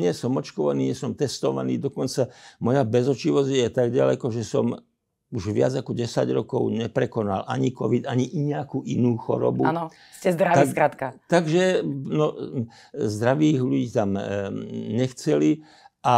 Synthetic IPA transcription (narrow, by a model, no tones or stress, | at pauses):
ɲɪɛsɔmɔt͡ʃkɔʋa̰niːɲɪɛsɔmt̪ɛst̪ɔʋa̰niːd̪ɔkɔnt͡samɔjabɛzɔt͡ʃiʋɔzjɛt̪aɡɟalɛkɔʒɛsɔm | uʒʋɪa̰d͡zakɔɟɛsa̰ɟɾɔkɔʊɲɛpɾɛkɔna̰lʔaɲikɔʋid̪aɲiʔiɲɛakuʔinuːxɔ̰ɾɔ̰buanɔ | scɛzd̪ɾaʋaskɾat̪kat̪aɡʒɛnɔ | zd̪ɾaʋiːɣʎuɟiːt̪am | ɲɛxt͡sɛli | ʔa